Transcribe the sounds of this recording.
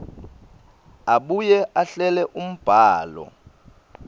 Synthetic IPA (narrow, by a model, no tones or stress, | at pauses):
aɓujɛʔaɬɛlɛʔum̩b̥ʱaːlɔ̰